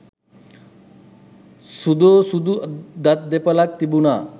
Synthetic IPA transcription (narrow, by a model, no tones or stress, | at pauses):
sud̪osud̪ud̪at̪̚d̪epɔlak̚t̪ibuna